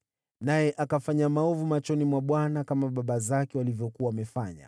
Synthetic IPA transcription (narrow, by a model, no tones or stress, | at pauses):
najɛʔakafaɲamaɔvumat͡ʃɔnimwaɓwanakamaɓaɓazakɛwalivjɔkuawamɛfa̰ɲa̰